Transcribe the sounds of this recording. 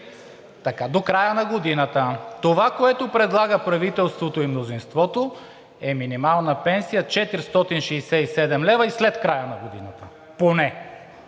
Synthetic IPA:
t̪ɐkad̪okɾajənɐɡod̪inət̪ət̪ovakoɛt̪opɾɛd̪lˠaɡəpɾɐvit̪ɛlˠst̪vot̪oimnozinst̪vɔt̪o | ɛminimalˠnɐpɛnsijət͡ʃɛt̪iɾst̪ɔt̪inʃɛːsɛisɛd̪ɛmlɛvɐislɛt̪kɾajənɐɡod̪inət̪ə | ponɛ

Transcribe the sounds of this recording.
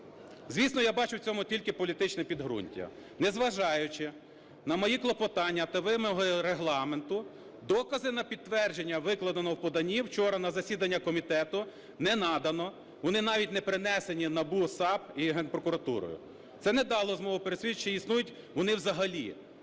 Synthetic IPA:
zʲʋʲisnɔjabɑt͡ʃʊwt͡sʲɔmʊtʲilʲkɪpɔlʲit̪ɪt͡ʃnɛpʲid̪ɦɾṵnʲtʲɐ̰nɛzʋɐʒɑjʊt͡ʃɪ | nɐmɔjiklˠɔpɔt̪ɑnʲːɐt̪ɐʋɪmɔɦɔɾeɦlˠɑment̪ʊ | d̪ɔkɐzɪnɐpʲid̪̚t̪ːʋɛrd͡ʒenʲːɐʋɪklˠɐd̪ɐnɔwpɔd̪ɐnʲiwt͡ʃɔɾɐnɐzɐsʲid̪ɐnʲːɐkɔmʲit̪ɛt̪ʊ | nɛnɑd̪ɐnɔ | ʋɔnɪnɑʋʲitʲnɛpɾɪnɛsenʲinɐbusɑbiɦɛnpɾɔkʊɾɐt̪ṵɾɔ̰jʊ̰ | t̪sɛnɛd̪ɑlˠɔzmɔɦʊpeɾesʲʋʲit͡ʃːɪisnujʊtʲ | ʋɔnɪwzɐɦɐlʲḭ

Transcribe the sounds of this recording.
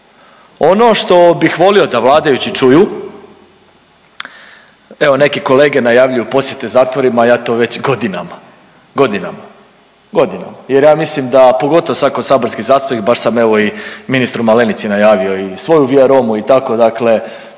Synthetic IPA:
o̞no̞ʃt̪o̞bixʋo̞lio̞d̪aʋlˠaːd̪ajut͡ɕit͡ʃuju | e̞ʋo̞ne̞kiko̞le̞ːɡe̞najaːʋʎujupo̞sje̞t̪e̞zaːt̪ʋo̞ɾimajaːt̪o̞ʋe̞t͡ɕɡo̞d̪inama | ɡo̞d̪inama | ɡo̞d̪ina̰maje̞ɾjaːmislimd̪apo̞ɡo̞t̪oosakosaboɾskizaːsp̪oikbaʃsameʋo̞iminist̪ɾumale̞nit̪sinajaːʋio̞isʋo̞juʋiaɾo̞muit̪ako̞d̪akle̞

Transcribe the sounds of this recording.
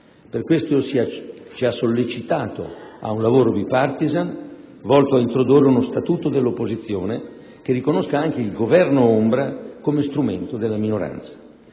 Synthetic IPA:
perkwest̪ost͡ʃiasːolːet͡ʃit̪aːt̪o̰a̰unlavoːɾod̪ipart̪izan | vɔlt̪oaint̪ɾod̪urːeunost̪at̪uːt̪od̪elːopːozit̪sːjoːne | k̟erːikonoskaaŋk̟eilɡovɛrnoombɾakomest̪ɾument̪od̪elːaminoɾa̰nt̪sḁ

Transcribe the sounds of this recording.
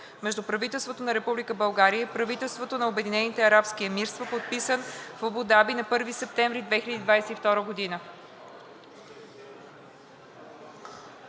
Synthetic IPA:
mɛʒd̪upɾɐvit̪ɛlˠst̪vot̪onɐɾɛpublikəbɐlˠɡaɾiəpɾɐvit̪ɛlˠst̪vot̪onɐobɛd̪inɛnit̪ɛɐɾapsk̟iəmiɾst̪vopot̪̚pisənfobod̪abinɐpɤɾvisɛp̚t̪ɛ̃ɱvɾid̪vɛxilʲəd̪id̪vajsɛift̪ɔɾəɡod̪inə

